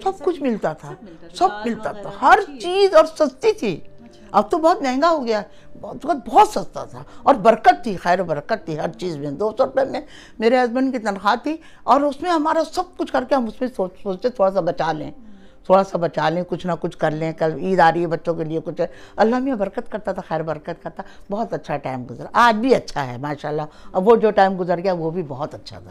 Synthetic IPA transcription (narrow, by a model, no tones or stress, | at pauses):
sɐb̚kʊt͡ʃʰmɪlt̪at̪ʰasɐbmɪlt̪at̪ʰahɐɾt͡ʃiːzɔːɾsɐst̪it̪ʰiː | ɐb̚t̪obɐɦːt̪mɛ̃ːŋɡaɦoɡɐjaɛ | bɔːt̪ɐkət̪̚bɔːt̪sɐst̪a̰t̪ʰa̰ɔːɾbɐɾkət̪ʰːixɛːɾbɐɾkət̪ʰːiɦɐɾt͡ʃiːzmẽd̪oːsɔɾpɛ̃mẽ | meːɾeɐzmənkit̪ɐnxaːt̪ʰːi | ɔːɾʊsmẽɦɐmaːɾasɐb̚kʊt͡ʃʰkɐɾkeɦɐmʊsmẽsoːt͡ʃsoːt͡ʃt̪ẽt̪ʰoːɽas̬abɐt͡ʃaːlḛ̃ː | t̪ʰoːɽasabɐt͡ʃaːlẽkʊt͡ʃʰnɐkʊt͡ʃʰkɐɾlẽkɐliːd̪aːɾibɐtːʃõkeliekʊt͡ʃʰɛɐlːaːmiabɐɾkət̪kɐɾt̪at̪ʰaxɛːɾbɐɾkət̪kɐɾt̪abɔːt̪ɐtːʃʰaʈaːɪmɡʊzɾaːd͡ʒbʱiɐtːʃʰaɦɛ̰maːʃaːlːaɐʋod͡ʒoːʈaːɪmɡʊzəɾɡjaːɦɛʋobʱibɔɦɔt̪ɐtːʃʰa̰t̪ʰa